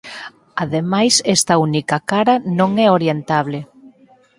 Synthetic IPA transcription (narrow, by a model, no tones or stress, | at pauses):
aðemajsɛst̪ɐunikɐkaɾɐnõŋɛoɾjent̪aβlɪ